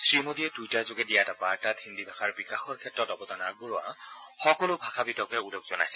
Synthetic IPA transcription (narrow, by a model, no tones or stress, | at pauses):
sɹimodiɛdujtazʊɡɛdijatapaɹtathindibʱakʰaɹbikaxɔɹkʰɛtɹɔtɔbɔtanak̚buɹɔa̰xɔkɔlʊbʱakʰabitɔkɛulokzɔna̰jsɛ